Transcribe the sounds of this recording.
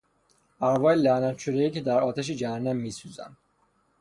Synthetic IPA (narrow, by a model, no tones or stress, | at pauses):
æɾvɒːjelænænt͡ʃʰuɾeiːcʰed̪æɾɒːt̪ʰæʃ̬id͡ʒæhænːæmːiːsuːzæ̰n